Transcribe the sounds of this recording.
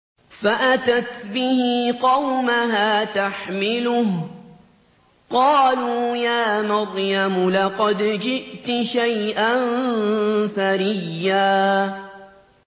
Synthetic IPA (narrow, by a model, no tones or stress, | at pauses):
faʔat̪at̪bɪhɪqɑwmaɦaːt̪aħmɪlʊh | qɑːluːjaːmɑɾˤjamlɑqɑd̪d͡ʒɪʔt̪ʃajʔan | saɾɪjːaː